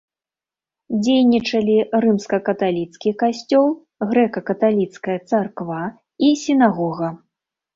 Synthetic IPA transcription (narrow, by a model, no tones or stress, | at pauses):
d͡zʲejnʲit͡ʂɐlʲirɨmskɐkɐt̪alʲit̪skʲikasʲt͡sʲɔlˠ | ɣɾɛkɐkɐt̪alʲit̪skɐjɐt̪sarkva | isʲinaɣɔɣɐ